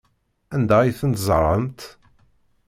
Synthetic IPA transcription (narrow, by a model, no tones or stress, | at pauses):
ænd̪æiθənt̪zˤɾˤəmt̪